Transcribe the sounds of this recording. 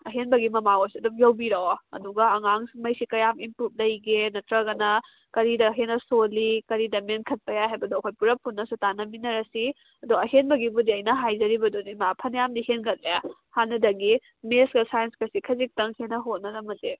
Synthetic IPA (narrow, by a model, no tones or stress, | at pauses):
ɐɦenbɐɡimɐmawosiɐdumjowbiɾoɐ̰duɡɐːŋaŋsmɐjsikɐjamimpɾut̚lɐjɡenɐtɾɐɡɐnɐ | kɐɾidɐɦenɐsolikɐɾidɐmenkʰɐt̚pʰɐjaɦajbɐdoɐkʰojpuɾɐpʰːunːɐsutanɐminɐɾɐsi | ɐdoɐɦenbɐɡibudiɐjnɐɦajzɐɾibɐdunimapʰɐnjamdihenɡɐt̚lja | hanːɐdɐɡi | mesɡɐsajenskɐsikʰɐzik̚tɐŋhenɐɦot̚nɐdɐmɐte